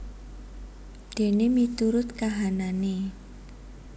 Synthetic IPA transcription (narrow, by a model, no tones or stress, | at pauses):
d̪̥e̤nemit̪uɾʊt̪̚kaɦanane